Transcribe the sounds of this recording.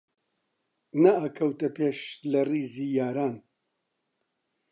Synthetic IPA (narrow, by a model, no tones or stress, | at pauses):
nɐaːkʰɐwt̪ɐpeːʃlɐriːziːjaːɾaːn